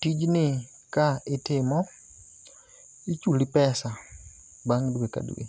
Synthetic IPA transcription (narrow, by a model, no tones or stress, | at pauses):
tid͡ʒni | kaitɪmɔ | it͡ʃulipɛsa | baŋɡdweka̰dṵwḛ